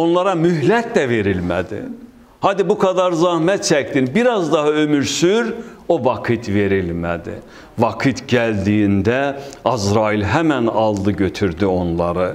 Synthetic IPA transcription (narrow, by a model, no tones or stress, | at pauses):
o̞nlˠɑɾɑmyhlæt̪læve̞ɾilmæ̰d̪ḭ | hɑːd̪ibukʰɑd̪ɑɾzɑhmæt̪̚t͡ʃʰæcd̪inbiɾɑzd̪ɑɦɑø̞myɾsyɾ | ovɑkʰɯt̪ʰve̞ɾilmæ̰d̪ḭ | vɑkʰɯt̪ʰɟæld̪ijind̪æɑzɾɑilɦæmænɑlˠd̪ɯɟø̞t̪ʰyɾd̪yo̞nlˠɑɾɯ